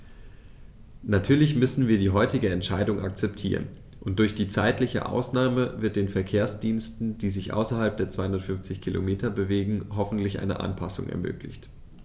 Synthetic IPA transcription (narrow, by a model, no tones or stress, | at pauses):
natʰyːɐlɪçmʏsn̩viːɐdiːɦɔʏtɪɡəɛntʃaɪdʊŋʔa̰k̚t͡sɛptʰiːʁ̞ə̰n | ʔʊnt̚d̥ʊɐçd̥iːt͡saɪtlɪçə̰ʔa̰ʊsnaːməvɪɐt̚d̥eːnfɛɐkʰeːɐsd̥iːnstn̩d̥iːzɪçʔa̰ʊsɐɦalp̚d̥eːɐt͡sv̥aɪʊndɐtfʏnft͡sɪçkʰilʔo̰meːtʰɐbəveːɡŋ̩ɦɔfn̩tlɪçʔa̰ɪnə̰ʔa̰npʰasʊ̰ŋʔɛ̰ɐmø̰ːklɪ̰çt